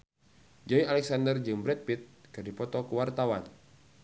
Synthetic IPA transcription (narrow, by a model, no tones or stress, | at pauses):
d͡ʒaialɛk̚sandərd͡ʒɨŋbɾɛt̪̚pit̪̚kɨrdipɔt̪ɔkuwart̪awan